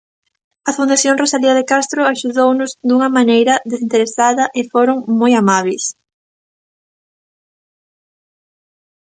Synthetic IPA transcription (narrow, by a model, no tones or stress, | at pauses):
ɐfund̪aθjoŋrosaliɐðekast̪ɾʊaʃuðownʊzd̪uŋɐmanejɾɐðesint̪eɾesaðɐʔɪfoɾoŋmojamaβ̞es